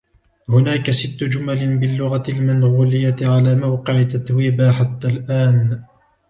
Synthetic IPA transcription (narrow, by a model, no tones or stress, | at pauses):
hʊnaːkasɪt̪ːʊd͡ʒʊmalɪnbɪlːʊɣalmanɣʊːlɪjaʕalaːmawqɪʕɪt̪ːat̪wiːbaːħat̪ːalʔaːn